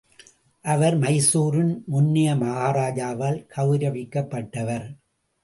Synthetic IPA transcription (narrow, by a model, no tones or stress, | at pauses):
ʔɐʋɐɾmɐɪsuːɾɪnmʊnːɪjɐmɐɣaːɾaːd͡ʒaːʋaːlkʰɐʋɯɾɐʋɪkːɐpːɐʈːɐʋɐɾ